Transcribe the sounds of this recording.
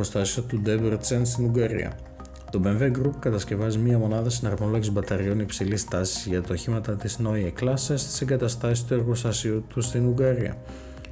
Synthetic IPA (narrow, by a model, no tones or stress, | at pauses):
ost̪ɐsiɐt̪ud̪ebeɾt̪t͡senst̪inuɡɐɾḭɐ̰ | t̪o̞be̞ɱveɡɾupkɐt̪ɐsce̞vɐzimɲiɐmo̞nɐðɐsinɐɾmolocizbɐt̪ɐɾio̞nipsilist̪ɐsizʝɐt̪ɐoçimɐt̪ɐt̪izno̞ieklɐsɐst̪i̥seŋɡɐt̪ɐst̪ɐsist̪ue̞ɾɣost̪ɐsiut̪ust̪inuɡɐɾiɐ̰